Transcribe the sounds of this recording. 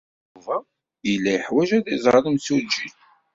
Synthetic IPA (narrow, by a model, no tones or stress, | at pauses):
uvæ | jəlːæjəħwæʒæðizˤɾˤɑləmt͡sːud͡ʒi